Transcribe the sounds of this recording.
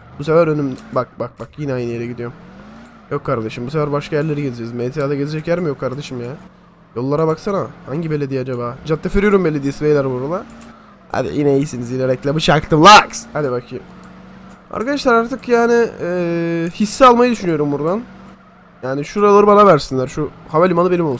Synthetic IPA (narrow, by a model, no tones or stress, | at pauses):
busefæɾønymbak̚bak̚bakjinɛajnɯjeɾɛɟid̪ijom | jokʰːaɾd̪aʃɯmbus̬efæɾbaʃkʰajæɾlʲe̞ɾiɟe̞zed͡ʒɛzmet̪ʰijaːd̪aɟe̞zed͡ʒɛcjæɾmijokʰːaɾd̪aʃɯmjaː | jolˠːaɾabaksanamahaɲɟibe̞lʲed̪ijad͡ʒabaːd͡ʒat̪ːafyɾyjoɾumbelʲːed̪ijesivejlʲæɾbuɾalˠa | ha̰d̪ḭjinɛjisinizilʲeɾɛclʲæbut͡ʃʰaɾkt̪ɯlˠakshad̪ibakʰi | a̰ɾkad̪aʃlˠaɾaɾt̪ʰɯkjaːnɪ | hisːɛalˠmajɯd̪yʃynyjo̞ɾumbuɾd̪an | jaːnɪʃuɾalˠaɾɯbanavæɾsinlʲæɾʃuhaβalʲimanˠɯbenimo̞lˠs